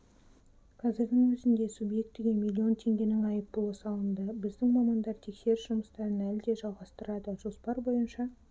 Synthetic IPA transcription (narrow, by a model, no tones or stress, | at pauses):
qʰɑzɪɾd̪ɪŋwɵzɪnd̪e̞subje̞k̚t̪ːɪɡʲe̞mʲilʲːio̞nt̪ʰe̞ŋɡʲe̞nɪŋɑjəp̪ːolˠəsɑlˠənd̪əbɪzd̪ɪŋmɑmɑnd̪ɑɾt̪ʰe̞kse̞ɾʒ̥ʊməst̪ɑɾənælɪd̪e̞ʒɑlˠʁɑst̪əɾɑd̪əʒ̥o̞spɑɾbo̞jənʃɑ